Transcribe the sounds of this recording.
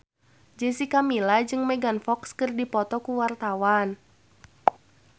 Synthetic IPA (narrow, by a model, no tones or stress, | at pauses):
d͡ʒɛsikamilad͡ʒɨŋmɛɡanfɔkskərdipɔt̪ɔkuwart̪awan